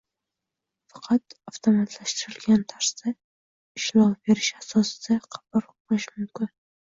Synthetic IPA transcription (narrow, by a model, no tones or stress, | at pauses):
fɑ̥qʰɑt̪aft̪ʰomat̪ʰlaʃt̪ɪɾɪlɡʲant̪ʰaɾsa | ɪʃlɒbe̞ɾɪʃasɒsɪ̥d̪aqʰɑ̥baɾ̚ | bɪʃmʊmkʲɪn